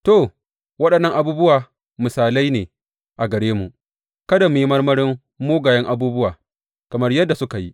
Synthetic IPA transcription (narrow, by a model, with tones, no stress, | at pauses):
to˦˨ | wɐ˦ɗɐ˨nːɐ˦ŋʔa˨buː˦bʊ˦waː˨ | mʊ˨saː˨la˦jneː˨ | ʔa˨ɡɐ˨ɽeː˦mu˨ʔ | kɐ˦da˨mʊ˨ji˦mɐ˦rmɐ˦ɽɪ˦mː | oː˦ɡaː˨jɐ˦ŋʔa˨buː˦bʊ˦waː˨ | kɐ˨mɐ˦rjɐ˦dːa˨sʊ˦ka˨ji˦